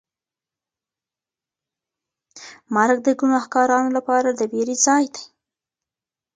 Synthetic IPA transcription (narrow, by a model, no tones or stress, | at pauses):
maɾɡ̚d̪əɡunɑhkɑɾɑnolapɑɾad̪əweɾezɑjd̪aj